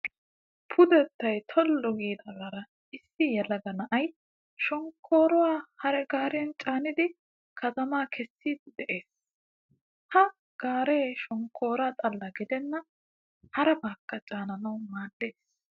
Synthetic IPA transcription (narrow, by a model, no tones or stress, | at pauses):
pʰʊd̪ɛt̪ːɐjt̪ʰɔlːɔɡiːd̪ɐɡɐɾɐ | ʔɪsːɪjɛlɐɡɐnɐʔɐj | ʃɔŋkʰːoːɾɔwaːhɐɾɛɡaːɾɛɐnt͡ʃʼaːnɪd̪ɪ | kʰɐt̪ɐmaːkʰɛsːiːd̪d̪ɛʔe̞ːs | hɐ | ɡ̥aːɾeːʃɔŋkʰːo̞ːɾat̪ʼɐlːɐɡɪd̪ɛnːɐ | hɐɾɛbaːkːɐt͡ʃʼaːnɐnɐwmaːdːe̞ːs